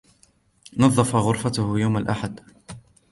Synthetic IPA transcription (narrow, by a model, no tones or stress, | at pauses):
nɑðˤːɑfaɣʊɾfat̪ʊhjawmalʔaħad̪